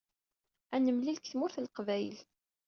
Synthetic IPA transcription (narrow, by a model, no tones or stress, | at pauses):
ænəmlilkθmʊɾθlqvæjl